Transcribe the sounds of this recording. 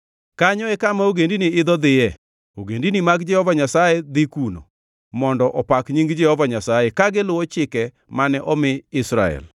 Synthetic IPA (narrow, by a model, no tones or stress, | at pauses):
kaɲɔɛkamaoɡendiniɪd̪ɔd̪ɪjɛ | oɡendinimaɡd͡ʒɛhɔvaɲasajed̪ɪkuno̰ | mɔndɔʔɔpakɲiŋɡd͡ʒɛhɔvaɲasajɛkaɡɪlʊwɔt͡ʃɪkɛ | manɛʔɔmɪɪsɾa̰ɛ̰l